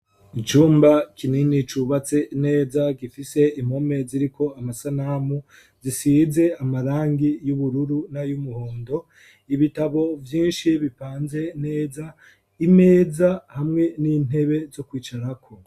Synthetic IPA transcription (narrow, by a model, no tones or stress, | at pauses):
it͡ʃuːmbakininit͡ʃuβat͡se̞ne̞ːzaɡifise̞imome̞ziɾikʰo̞amasanaːmu | zisize̞amaɾaːŋɡijuβuɾuɾunajumuhoːndo̞ | iβitaβo̞vjiːnʃiβipaːnze̞ne̞ːza | ime̞ːzahamŋe̞niːn̥e̞βe̞zo̞kwiːt͡ʃaɾakʰo̞